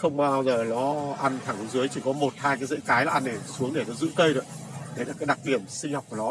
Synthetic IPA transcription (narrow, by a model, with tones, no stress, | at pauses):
xə˧wŋ͡mɓaː˧wzəː˨˩lɔ˨˦ʔa˧jŋt̪ʰaː˨˧˩ŋ˨˦zɨ˨˦jt͡ɕi˧˩kɔ˨˦mo˨˩t̚haː˧jkaː˨˦jzḛː˧˥kaː˨˦jlaː˨˩ʔa˧nɗe˧˩˨su˨˦əŋɗe˧˩nɔ˨˦zɨ̰˧˥kə˧jɗo̰˨˧˩ɗe˨˦laː˨˩kaː˨˦j̚ɗa˨˩k̚ɗi˧˩əmsï˧ŋ̟hɔ˨˩wk͡p̚ku˧˩ənɔ˨˦